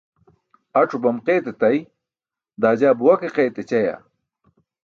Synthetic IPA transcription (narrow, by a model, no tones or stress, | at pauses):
ɐʈ͡ʂʰubɐmqeːt̪et̪ɐj | d̪aːd͡ʑaːbuwɐkeqejt̪et͡ɕɐja̰